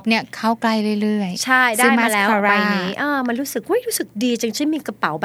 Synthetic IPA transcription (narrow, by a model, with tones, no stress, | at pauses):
p̚ni˦˥ɐkʰa˥˩wkla˥˩jɾɯ˥˩jɾɯ˥˩əjjt͡ɕʰa˥˩jda˧˩jmaː˥˧˩lɛː˦wa˨˩˨ɾa˧jniː˦˥ʔɤː˧ma˧nɾuː˦˥sk̚ʔo˦˥˩jɾuː˦˥sɯ˨˩k̚diː˧t͡ɕa˧ŋt͡ɕʰɯ˥˩miː˧ka˧pa˨˩˦wba˧